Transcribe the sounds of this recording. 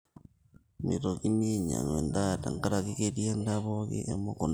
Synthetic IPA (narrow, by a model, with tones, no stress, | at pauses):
mi˨ɾo˨ɣimiɲa̰˨nwe˨ndata̰˨ŋka˦ɾaɣiɣeɾje˦ndaβoɣḭ˦ʔḛmo˦ko˨n